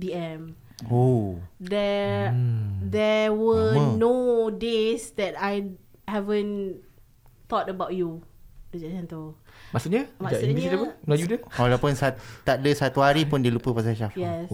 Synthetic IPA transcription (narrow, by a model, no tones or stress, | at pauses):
biɛ̃m | odɛ | dɛwənodesdɛtaj | hɛvə̃n | t̪ɔtəbawtjudid͡ʒad͡ʒɛ̃ntəlmaʔsuʔɲamad͡ʒaʔĩniitəpənajudəwalapʊnsat̪aʔ̚dəsat̪uhaɾipʊndilupəpas̬aʃafjɛs